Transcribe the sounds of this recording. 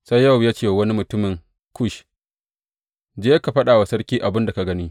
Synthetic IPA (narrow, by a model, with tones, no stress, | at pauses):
sa˦jːa˦˨wjaː˦t͡ʃeː˦˨wɐ˦ni˦mʊ˨tʊ˦mɪ˨ŋ | kʰʊ˦ʃ | d͡ʒeː˦ka˨ɸɐ˦ɗaː˨wa˨sɐ˦ɽkʲiː˦ʔa˨bɪ˦nda˨ka˨ɡɐ˦niː˦